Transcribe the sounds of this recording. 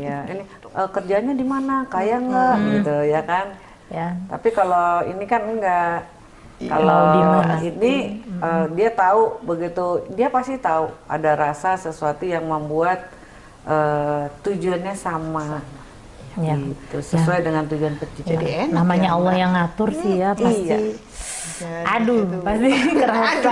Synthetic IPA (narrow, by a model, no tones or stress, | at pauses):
jaḭni | ʔəkərd͡ʒaːɲadimanakajaŋɡaʔɡit̪ujakan | t̪a̰pikaloḭnikanəŋɡaʔ | ka̰loiniədiat̪aubəɡit̪udiapast̪it̪aua̰daɾasasəsuat̪ujaŋməmbuat̪̚ | ʔəːud͡ʒuanɲasama | ɡiit̪usəsuajdəŋant̪ud͡ʒuanpət͡ʃit͡ʃəienamaɲaɔlːɔhjaŋat̪ʊrsijaija | adupaiəɾa